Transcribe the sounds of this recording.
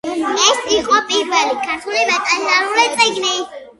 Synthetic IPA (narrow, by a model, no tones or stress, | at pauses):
ɛsiqʼɔpʼiɾvɛlikʰaɾt̪ʰulimɛt̪ʼazaɾulɛt̪ʼiɡni